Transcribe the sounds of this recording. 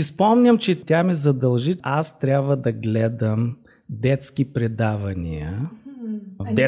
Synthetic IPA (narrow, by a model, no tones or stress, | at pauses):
ispɔmnʲəmt͡ʃɛt̪ʲamɛzɐd̪ɐlˠʒiast̪ɾʲabvəd̪ɐɡlɛd̪əm | d̪ɛt̪skipɾɛd̪avɐnʲiə | d̪ɛ